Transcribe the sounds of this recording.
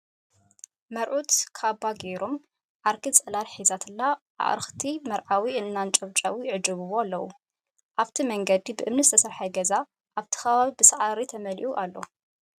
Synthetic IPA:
mɐɾʕut̪kʰaβaɡeɾom | ʕaɾkʰit͡sʼɐlalħizat̪ʰɨlːaʔa̰ʔɾɨxt̪ʰimɐɾʕawiʔɨnːant͡ʃʼɐβt͡ʃʼɐwujɪʕɨd͡ʒɨβɨβoalːɐwu | ʔaβt̪ʰimɐŋɡɐd̪ibɨʔɨmnɨzɨt̪ʰɐsɐɾħajɡɐza | ʔaβt̪ʰi̥xɐβaβibɨsɐʕaɾit̪ʰɐmɐlʔuʔalːo

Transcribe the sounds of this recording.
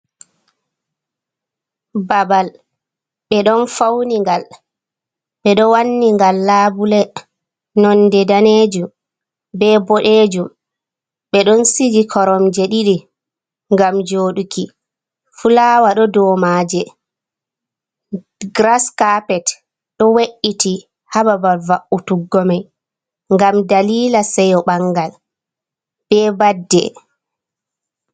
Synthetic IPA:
babal | ɓɛɗɔnfawniŋɡal | ɓɛɗɔwanːiŋɡalːaːbulɛ | nɔndɛdaned͡ʒum | bɛbɔɗed͡ʒum | ɓɛɗɔnsid͡ʒikʰɔɾɔmd͡ʒɛɗiɗi | ŋɡamd͡ʒoːɗuki | fulaːwaɗɔdɔmaːd͡ʒɛ | ɡɾaskapɛt | ɗɔweʔːiti | hababalvaʔutuɡːɔmaj | ŋɡamdaliːlasɛjɔɓaŋɡal | b̥ɛːbadːɛ̰

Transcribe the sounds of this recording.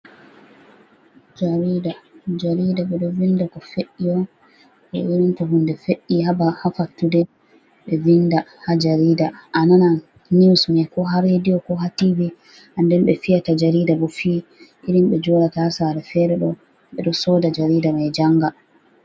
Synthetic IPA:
d͡ʒaɾidad͡ʒaɾidaɓɛɗɔvindakɔfeɗːijɔ | ɓɛ̰ʔiɾintaɦundɛfeʔːihabahafatːudɛ | ɓɛvindahad͡ʒaɾiːdaʔanana | niwsunɛkɔɦaɾhedijɔkɔɦatibi | ʔandɛmɓɛfijatad͡ʒaɾidabɔfiː | ʔiɾimɓɛd͡ʒɔɾatasaɾɛfɛɾɛɗɔ | ɓɛɗɔsɔːdad͡ʒaɾiːdamajd͡ʒaŋɡa

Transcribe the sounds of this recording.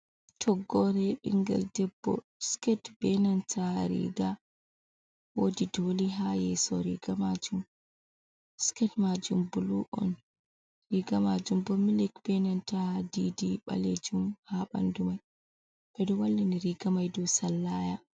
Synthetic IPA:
tʰɔɡːɔɾɛɓḭŋɡɛ̰ldɛbːɔ̰ | skɛtb̥ɛnantʰaɾḭɡa | wodidoliɦajɛsɔ̰ɾḭɡamad͡ʒum | skɛtmad͡ʒumbuluʔɔ̰n | ɾiɡamad͡ʒumbɔmilikb̥ɛnantadidiɓa̰led͡ʒumhaɓa̰ndumaj | ɓ̥ɛdɔwalːiniɾiɡamajdɔsalːaːja

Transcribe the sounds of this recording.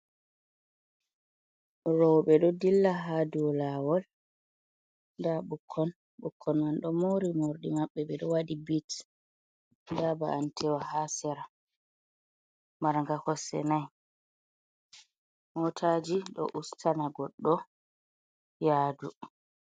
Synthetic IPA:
ɾɔwɓɛɗɔdilːaɦaduwɔlawɔl | ndaɓukʰːɔn | ɓukʰːɔnmanɗɔmoɾimoɾɗimaɓːɛɓɛɗɔwadibit | ndaba̰antʰɛwahasɛɾa | maɾŋɡakɔsɛ̰naj | mɔtʰad͡ʒiɗɔ̰ʔustʰanaɡɔɗːɔ | jaːdu

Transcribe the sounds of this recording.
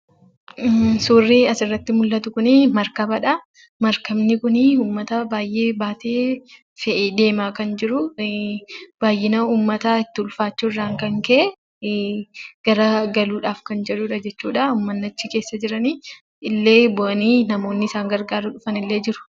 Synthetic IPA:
suːrːiɐsɪrːɐt̪ːɪmʊlːɐt̪ʊkʊnɪmɐɾkɐbɐᶑɐ | mɐɾkɐmnɪkʊnɪuːmːɐt̪ɐbaːjʔe̞ːbaːt̪e̞ː | fɛʔed̪e̞ːmaːkɐnd͡ʒɪɾʊ | b̥aːjːɪnɐuːmːɐt̪aːɪt̪ːɪʊlfaːt͡ʃːuɪrːaːŋkɐŋkɛʔɛ | ɡ̥ɐɾɐɡɐluːᶑaːfkɐnd͡ʒɛᶑʊᶑɐd͡ʒɛt͡ʃːuːᶑɐʊːmːɐnːɐt͡ʃːɪke̞ːsːɐd͡ʒɪɾɐniː | ɪlːe̞ːbɔʔɐniːnɐmo̞ːnːɪɪsaːŋɡɐɾɡaːɾʊᶑʊfɐnɪlːe̞ːd͡ʒɪɾʊ̥

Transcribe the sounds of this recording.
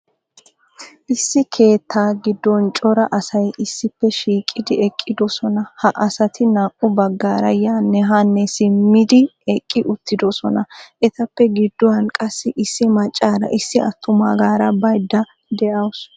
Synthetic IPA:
ʔɪsːɪkʰe̞ːt̪ːaːɡɪd̪ːɔnt͡ʃʼɔɾɐʔɐsɐjʔɪsːɪpːɛʃiːkʼːɪd̪ɪɛkʼːɪd̪ɔsɔnɐhɐʔɐsɐt̪ʰɪnaːkʼːʊbɐɡːaːɾɐjaːnːɛɦanːɛsɪmːɪd̪ɪɛkʼːɪʔʊt̪ːɪd̪ɔsɔnɐʔɛt̪ɐpːɛɡɪd̪ːɔwɐnkʼɐsːɪʔɪsːɪmɐt͡ʃʼːaːɾɐ̰ʔɪsːɪɐt̪ʰːʊma̰ːɡaːɾɐbɐjd̪ːɐ | d̪ɛʔɐws

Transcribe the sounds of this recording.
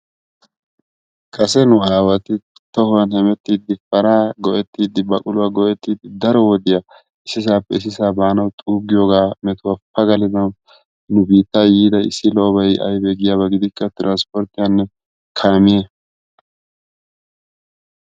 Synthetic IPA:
kʼɐsɛnʊaːwɐt̪ɪ | t̪ɔhʊwɐnhɛmɛt̪ːiːd̪ːɪfɐɾaːɡɔʔɛt̪ːiːd̪ɪbɐkʼʊlʊwaɡɔʔɛt̪ːiːd̪ɪd̪ɐɾɔwɔd̪ɪja | ɪsɪs̬aːpːɛɪs̬ɪsaːbaːnɐwt̪ʼuːɡɪjoːɡaːmɛt̪ʊwapːɐɡɐlɪd̪ɐw | nʊbiːt̪ːaːjiːd̪ɐɪ̰sːɪloːbɐjʔɐ̰jbɛɡɪjaːβɐɡɪd̪ɪkːɐt̪ɪɾaːnspɔɾt̪ɪjanːɛ | kʰaːmɪje

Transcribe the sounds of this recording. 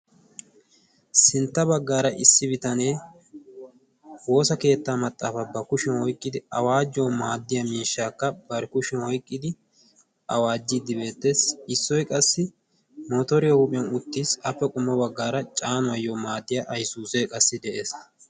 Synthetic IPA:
sɪnt̪ːɐbɐɡːaːɾɐʔɪsːɪbɪt̪ɐneː | wo̞ːsɐke̞ːt̪ːaːmɐt̪ʼːaːfɐbɐkʊʃɛnwɔjkʼːɪd̪ɪɐwaːd͡ʒːoːmaːd̪ːɪjɐmiːʃːaːkːɐbɐɾɪkʊʃɛwɔjkʼːɪd̪ɪ | ʔɐwaːd͡ʒːɪd̪ːɪbe̞ːt̪ːe̞ːsɪsːɔjkʼɐsːɪ | moːt̪ɔɾɪjɐhupʼɪjɐnʊt̪ːiːsɐfːɛkʼʊmːɐbɐɡːaːɾɐt͡ʃʼaːnʊɐjːoːmaːd̪ːɪjɐʔɐjsuːseːkʼɐsːɪd̪ɛʔe̞ːs

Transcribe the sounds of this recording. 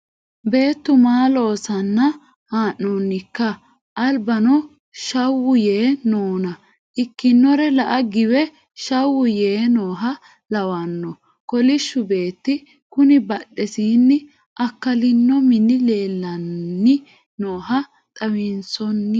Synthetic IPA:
be̞ːt̪ːʊmaːlo̞ːsɐnːɐ | haːʔːɔnːɪkːɐ | ʔɐlbɐnɔ | ʃɐwːʊjeːnoːnɐ | ʔɪkːɪnːɔɾɛlɐʔɐɡɪwɛ | ʃɐwːʊjeːnoːɦɐ | lɐwɐnːɔ | kɔlɪʃːʊbe̞ːt̪ːɪ | kʊnɪbɐɗːɛsiːnːɪ | ʔɐkːɐlɪnːɔmɪnːɪle̞ːlːɐnːɪ | noːɦɐ | t̪ʼɐwɪnsɔnː

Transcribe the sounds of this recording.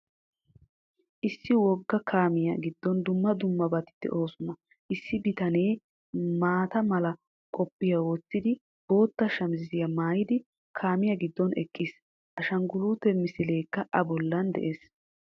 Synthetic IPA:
ʔɪsːɪwɔɡːɐkʰaːmɪjɐɡɪd̪ːɔnd̪ʊmːɐd̪ʊmːɐbɐt̪ɪ̥d̪ːɛ̰ʔo̞ːsʊnɐ | ʔɪsːɪbɪt̪ɐne̞ː | maːt̪ɐmɐlɐ | kʼɔpʼːɪjɐwɔt͡sːɪd̪ɪ | b̥o̞ːt̪ːɐʃɐmzɪzɪjɐmaːjɪd̪ɪ | kʰaːmɪjɐɡɪd̪ːɔnɛ̰kʼːɪs | ʔɐʃɐŋɡʊluːt̪ːɛmɪsɪle̞ːkːɐʔɐbɔlːɐnd̪ɛ̰ʔeːs

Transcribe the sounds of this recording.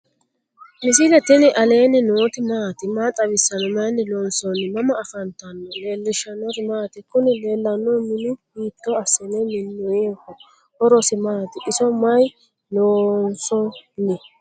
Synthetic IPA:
mɪs̬ilɛt̪ɪnɪʔɐle̞ːnɪnoːt̪ɪmaːt̪ɪmaːt̪ʼɐβɪsːɐnɔmɐjnːɪloːnsɔnːɪmɐmɐːfɐnt̪ɐnːɔle̞ːlːɪʃɐnɔɾmaːt̪ɪkʊnɪle̞ːlːɐnːɔmɪnɪbiːt̪ːɔɐsɛnɛmɪnːɔjeːkːɔ | hɔɾɔsɪmaːt̪ɪʔɪsɔmɐj | loːnsɔnɪ

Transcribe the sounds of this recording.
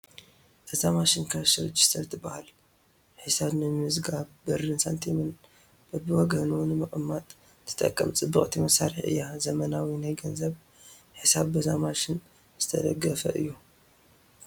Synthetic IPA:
ʔɐzamaʃɪnkʰɐʃɨɾɨd͡ʒist̪ɐɾt̪ʰɨbahal | ħɨsaβnɨmɨzɡabbɨɾɨnsant̪ʰemɨn | b̥ɐbɨwɔɡɐnunɨmɨχʼmːat̪ʼ | t̪ʰɨ̥t̪ʼɐ̰kʼːɐ̰mt͡sʼɨbːɨχʼt̪ʰimɐsaɾɨħɨ̰jːazɐmɐnawinajɡɐnzɐβ | ħɨsaβbɐzamaʃɪn | z̥ɨt̪ʰɐd̪ɐɡːɐfɐʔɨ̰jːu

